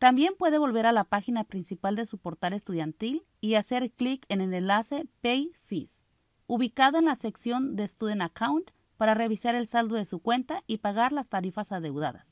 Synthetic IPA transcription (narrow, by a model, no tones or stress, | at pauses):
t̪ambje̞mpwe̞ð̞eβo̞lβeɾalapaxinapɾinsipald̪esupoɾt̪alest̪uðjant̪il | iaseɾklikenenenlasepejfis | uβikaðoenlaseksjo̞nd̪est̪uðenakawnt̪ | paɾareβ̞isaɾe̞lsald̪oðesukwe̞nt̪aipaɣ̞aɾlast̪aɾifasaðe̞wða̰ða̰s